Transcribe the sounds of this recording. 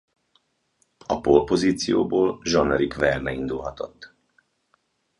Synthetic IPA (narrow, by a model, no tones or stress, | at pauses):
ɒpolpo̞ziːt̪sijo̰ːboːlʒɒnɛɾikvɛrnɛind̪ulɦɒt̪o̞t̪ː